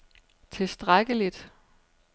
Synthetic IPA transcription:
t͡sʰe̝lsd̥ʁaɡ̥əlid̥

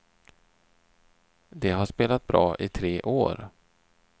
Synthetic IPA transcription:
d̪ɛɦaʂpeːlat̪̚bɾɑ̰ːʔɪt̪ʰɾeːʔoːɾ

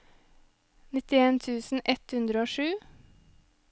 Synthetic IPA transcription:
nɪt̪ɪeːnt̪ʰʉːsn̩ʔɛt̪hʉnd̪ɾəoːʃʉː

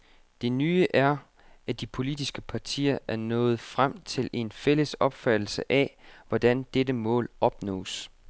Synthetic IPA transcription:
d̥e̝nyːəʔæɐ | æd̥ipʰo̝lid̥isɡ̥əpʰɑ̈t͡sʰḭːɐʔæɐnɔ̰̽ːð̞̩ˠfʁam̰t͡sʰe̝le̝nfel̰əsɒ̽b̥fæd̥l̩səʔɛʋɒd̥ænd̥edəmɔ̰̽ːlɒ̽b̥nɔ̰̽ːs

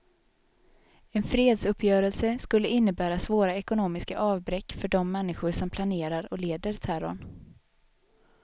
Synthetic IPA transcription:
ɛnfɾeːd̪sɵpʰːjœːɾəlsəskɵlːəɪnːəbæːɾasvoːɾaɛkʊnoːmɪskaʔɑːvbɾɛkːfœɖɔmːɛnːɪɧʊɾʂɔmpʰlaneːɾaɾɔleːd̪əɾt̪ʰæɾɔ̰n

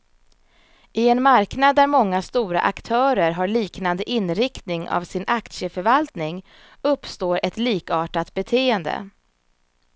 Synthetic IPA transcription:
ɪɛnmaɾknad̪ːæɾmɔŋːast̪uːɾa̰ʔakt̪ʰœːɾəɾɦaɭiːknand̪əʔɪnɾɪkt̪nɪŋa̰vsɪnʔakt̪ʂəfœɾvalt̪nɪŋ | ɵpːst̪oːɾʔɛt̪liːkɑːʈat̪̚bɛt̪ʰeːənd̪ə̰

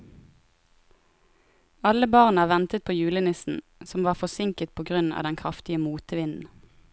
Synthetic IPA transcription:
ɑləbɑʁnɑːʋɛnt̪ət̪̚pʰoːjʉːlənɪsn̩ | sɔmʋɑːʁfɔsɪŋkət̪̚pʰoːɡʁʉnɑ̰ːd̪ɛnkʰʁɑft̪ɪəmuːt̪əʋɪnn̩

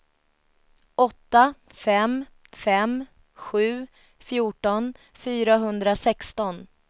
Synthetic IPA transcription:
ʔɔt̪ːa | fɛm | fɛm | ɧʉ̟ː | fjuːʈɔn | fyːɾaɦɵnd̪ɾasɛkst̪ɔn

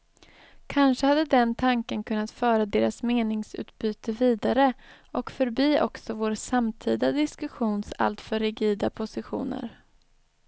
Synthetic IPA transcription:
kʰanʂəhad̪ːəd̪ɛnt̪ʰaŋkənkʰɵnːat̪fœːɾad̪eːɾasmeːnɪŋsʉ̟̰ːt̪̚byːt̪əviːd̪aɾəʔɔkfœɾbiːʔɔksɔvoːɾsamt̪ʰiːd̪ad̪ɪskɵɧuːnsa̰lt̪fœɾɪɡiːd̪apʰʊsɪɧṵːnə̰ɾ

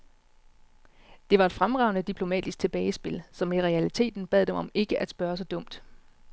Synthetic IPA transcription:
d̥e̝ʋɑ̈e̝d̥fʁamʁɑ̈ʊnəd̥ipʰlo̝mɛ̰ːd̥isɡ̥̚t͡sʰe̝b̥ɛːɪsb̥e̝lsɒ̽miʁɛælit͡sʰe̝̰ːd̥n̩b̥ɛ̰ð̞̰ˠd̥emɒ̽me̝ɡ̥əʔæd̥sb̥ɶːɐs̬ɒ̽d̥ɔ̽m̰d̥

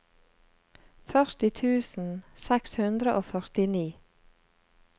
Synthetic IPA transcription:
fœʁt̪ɪt̪ʰʉːsn̩sɛkshʉnd̪ɾəʔoːfœʁt̪ɪniː

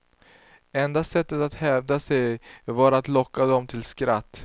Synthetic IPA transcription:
ɛnd̪asɛt̪ːət̪at̪hɛvd̪asɛjvaɾat̪lɔkːad̪ɔmt̪ʰɪlskɾat̪ː

